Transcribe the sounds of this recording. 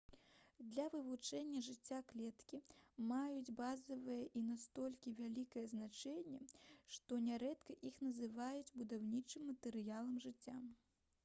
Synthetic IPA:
d̪lʲɐvɨvut͡ʂɛnʲːɐʐɨt͡sʲːaklʲɛt̪kʲimajud͡zʲbazɐvɨjɐʔinast̪ɔlʲkʲivʲalʲikɐjɛznat͡ʂɛnʲːɛʂt̪ɔnʲɛɾɛt̪kɐʔixnɐzɨvajud͡zʲbud̪awnʲit͡ʂɨmːɐt̪ɨɾɨjalˠɐmʐɨt͡sʲːa

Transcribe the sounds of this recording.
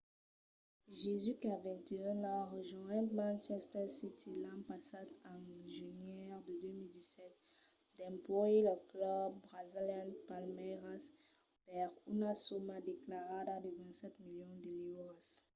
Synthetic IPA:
ʒezykavɛ̃nt̪eə̃naʁəʒɔ̃ɛ̃mãnʃɛst̪ɛʁsit̪ʰilãpasad̪ãʒynjɛʁd̪əd̪ømild̪isɛt̪̚ | d̪ɛ̃mpɔeləklɔb̚ːʁaziljɛ̃npalmɛʁas | pɛʁunasomad̪eklaʁad̪ad̪əvɛ̃nt̪sɛt̪miljɔ̃d̪əlivʁas

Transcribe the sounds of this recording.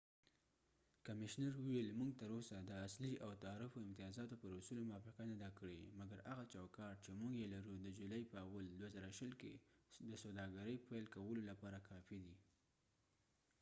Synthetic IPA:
kamɪʃnaɾwuwelmuŋɡ̚t̪əɾosad̪əasliʔawt̪aːɾɪfoɪmt̪ijɑzɑt̪opəɾʊsulomʊɑfɪqanad̪akəɽemaɡaɾaɣat͡ʃawkɑʈ̚t͡ʃemuŋɡjelaɾud̪əd͡ʒulɑjpəawald̪wazaɾaʃəlked̪əsawd̪ɑɡaɾəjpalkawəlolapɑɾakʰɑfid̪i

